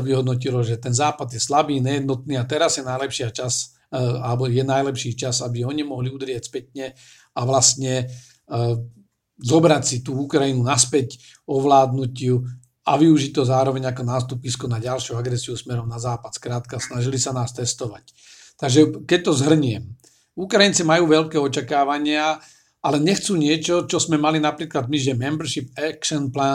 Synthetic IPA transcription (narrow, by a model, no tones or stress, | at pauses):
ʋiɦɔd̪nɔc̬ilɔʒɛt̪ɛnzaːpad̪jɛslabiːɲɛjɛd̪nɔt̪̚niːat̪ɛɾazjɛnajlɛpʃɪat͡ʃas | alɛbɔjɛnajlɛpʃiːt͡ʃazabiɔɲimɔɦliud̪ɾɪɛcspɛtɲɛ | aʋlast̪ɲɛ | zɔbɾacsit̪uːukɾajinunaspɛc | ɔʋlaːd̪nucɪu | aʋiuʒit̪ɔzaːɾɔʋɛɲakɔnaːst̪upiskɔnaɟalʃuaɡɾɛsiusmɛɾɔmnazaːpat̪skɾaːt̪kasnaʒilisanaːst̪ɛst̪ɔʋac | t̪aɡʒɛkɛc̚t̪ɔzɦr̩ɲɪɛm | ukɾajint͡simajuːʋɛʎkɛːɔt͡ʃakaːʋaɲɪa | ʔalɛɲɛxt͡suːɲɪɛt͡ʃɔt͡ʃɔzmɛmalinapɾiːklad̪miʒɛmɛmbɾ̩ʃipɛkʃɔnplaː